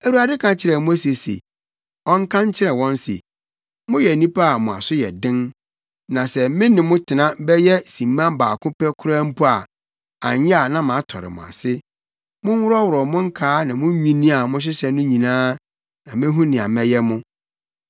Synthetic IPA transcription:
æ˨wu˨˦a˨dɪ˦kʰã˨t͡ɕʰɪ˦ɾɛ˨mʊ̃˦æ˦se˨sḛ˨ | ɔ̃˦ŋ˦kʰã˦ɲ˦t͡ɕʰɪ˦ɾɛ˨wɔ̃˦n˦sḛ˨ | mʊ̃˦jɛ˨nĩ˦pʰa˦a˨mʊ̃˨a̰˨sʊ˦jɛ̰˨dɪ̃˦n | nã˨sɛ˨mɪ̃˦nɪ̃˨mʊ̃˦tʰɪ˨nã˦bɛ˦jɛ˦sĩ˨mːã˦baː˨kʰʊ̃˦pɛ˦kʰʊ˦ɾa˦m̩˦pʰu˦a˨ | ã̰˨ɲɪ̃˦a˨nã˦mã˨˦tʰɔ˨ɾɪ̰˨mʊ̰̃˨a̰˨sɪ˦ | mʊ̃˦n˦wʊ˦ɾɔ˦wʊ˨ɾɔ˨mʊ̃˦ŋ̩˦kʰaː˦nã˨mʊ̃˦ɲᶣĩ˦nĩ˦a˨mʊ̃˦ɕ̬ɪ˦sɛ˨nʊ̃˦ɲĩ˨nãː˦ | nã˨mɪ̃˦ɦũ˦nɪ̃˨a̰˨mɛ˦jɛ˦mʊ̃˦

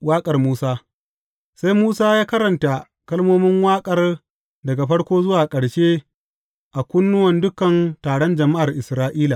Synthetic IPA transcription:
waː˦kʼɐ˨rmuː˦saː˦ | sa˦jmuː˦saː˦jaː˦kɐ˦ɾɐ˨nta˨ | kɐ˦lmoː˦mɪ˦ŋwaː˦kʼɐ˦˨r | dɐ˨ɡa˨ɸɐ˦ɽkʷoː˦zʊ˦waː˨kʼɐ˨ɽʃeː˦ | ʔa˨kʷʊ˦nːʊ˦wɐ˨ndʊ˦kɐ˨ntaː˨ɽɔ˦nd͡ʒɐ˨ma˦ʔa˨rʔɪ˨sɾaː˦ʔiː˦la˨

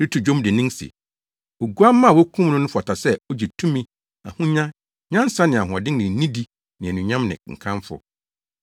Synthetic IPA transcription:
ɾɪ˦tʰu˨d͡ʑᶣõ˦mdɪ˨nĩ˦nsɪ̰˨ | o˨ɡu˦a˦mːã˦˨wɔ˦kʰũ˦mnʊ̃˦n˦ʊ̃˦fɔ˨tʰa˨sɛ˦ɔ˦d͡ʑɛ˨tʰũ˦mĩ˦ | a̰˨hʊ̃˦ɲã˦ | ɲã˦n˦sa˦nɪ̃˨a˨ɦʊ̃˨ɔ˨dɪ̃˦nɪ̃˨˦nĩ˦di˦ | nɪ̃˨ɛ˨nũ˨ɲã˦mnɪ̰̃˨ŋ̩̰˨kʰã˦ɱfʊ̰˨

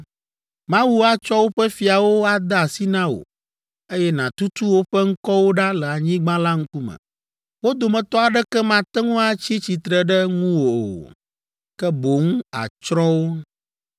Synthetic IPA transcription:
mã˦wu˦a˦t͡ʃɔ˦wo˦ɸɛ˦fi˨a˨wo˦a˨d̪ɛ˦a˨si˦nã˦wo̰˨ | e˦jɛ˦nã˨t̪u˦t̪u˦wo˦ɸɛ˦ŋ̩˦kɔ˦wo˦ɖa˦lɛ˨a˨ɲĩ˦ɡ͡bã˦la˦ŋ̩˦ku˦mə̰̃˨ | wo˦d̪o˨mɛ̃˨t̪ɔ˦a˨ɖɛ˦kɛ˦mã˨t̪ɛ˦ŋũ˦a˦t͡ɕi˦t͡ɕi˨t̪ɾɛ˨ɖɛ˦ŋũ˦wo̰˨ | kɛ˦bo˨ŋuũ˦a̰˨t͡ʃɾɔ̃˦wo˦

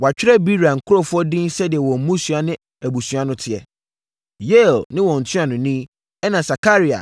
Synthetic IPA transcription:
wɔ˨a˨t͡ɕᶣɪ˦ɾɛ˦bi˦ɾa˨ŋ̩˨kʰʊ˦ɾo˦fʊ˦ɔ˦dɪ̃˦n˦sɛ˦dɪ˨ɛ˨wɔ̃˨m̩˦mũ˦sɥa˦nɪ̃˦ | æ˨bu˨su˨a˦nʊ̃˦tʰɪ˨ɛ̰˨ | je˦˨lnɪ̃˦wɔ̃˨n̩˨tʰɪ̃˦a˨nʊ̃˨nĩ˦ | ɛ˦nã˨sa˨ka˦ɾi˦a̰˨

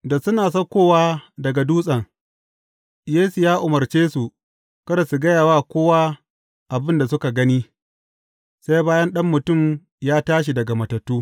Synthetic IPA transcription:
da˨sʊ˦naː˨s̬ɐ˦kʷoː˦˨waː˦dɐ˨ɡa˨duː˦sʼɐ˨ŋ | jeː˦su˨jaː˦ʔʊ˨mɐ˨rt͡ʃeː˦su˨ | kɐ˦ɾa˨su˨ɡɐ˦jaː˨waː˦kʷoː˦wa˦ | ʔa˨bɪ˦nda˨sʊ˦ka˨ɡɐ˦ni˦ | sa˦jbaː˦jɐ˦nɗɐ˦mːʊ˨tʊ˦˨m | jaː˦taː˦ʃ̬i˨dɐ˨ɡa˨mɐ˨tɐ˨tːuː˦

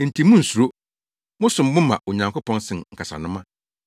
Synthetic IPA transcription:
n̩˨tʰi˨mʊ̃˦n̩˨su˨ɾo˦ | mʊ̃˦sʊ̃˨m˦mʊ̃˦mã̰˨o˨ɲã˨ŋkʊ˦pʰɔ̃˦nsɪ̃˨nŋ̩˨kʰa˨sa̰˨nʊ̃˦mã˦

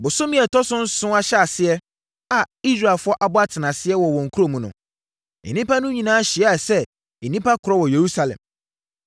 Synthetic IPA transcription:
bʊ˨sʊ˦mĩ˦ɛ˨tʰɔ˦sʊ̃˦n̩˦sʊ̃˦a˦ɕɛ˦a˨sɪ˦ɛ˦ | a˨i˦sɾa˨lfʊ˦ɔ˦ʔa˨bʊ˦a˦tʰɪ˨nã˨sɪ˦ɛ˦wɔ˨wɔ̃˨ŋ̩˨kʰu˦ɾo˦mũ˨nʊ̰̃˨ | ɛ̰˨nĩ˦pa˦nʊ̃˦ɲĩ˨nãː˦ɕɪ˨ɛ˦a˨sɛ˦ | e˨nĩ˦pʰa˦kʰʊ˨ɾɔ˦wɔ˨je˨ɾu˦sa˨lɛ̰̃˨m

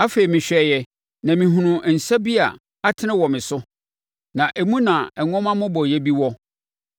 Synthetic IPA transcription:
a˦fe˨i˨mɪ̃˨ɕᶣɛ˨˦jɛ˦ | nã˨mĩ˨ɦũ˨nʊ̃˨n̩˨sa˦bi˦a̰˨ | a˦tʰɪ˦nɪ̃˦wɔ˨mɪ̃˨sʊ˦ | nã˨ʔe˨mũ˦nã˨ɛ˨ŋɔ̃˦mã˦mʊ̃˦bɔ˨jɛ˦bi˦wɔ˦

